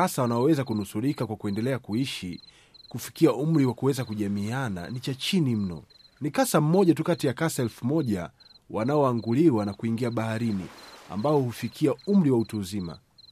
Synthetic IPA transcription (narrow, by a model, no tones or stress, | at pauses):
asawanaɔwɛzakunusuɾikakwakuɛndɛlɛakuiʃi | kufi̥kiaum̩ɾiwakuwɛzakuʄamiana̰nit͡ʃat͡ʃinim̩nɔ̰ | nikasam̩mɔʄatukatijakasaɛlfumɔʄa̰ | wanaɔaŋɡuliwanakuiŋɡiaɓahaɾinḭa̰mbaɔhufikʰiaum̩ɾiwautuːzima̰